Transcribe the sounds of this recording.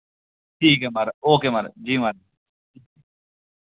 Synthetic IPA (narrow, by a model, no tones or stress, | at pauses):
ʈʰiːkemɐɾoːkeːmɐɾd͡ʒiːməɾ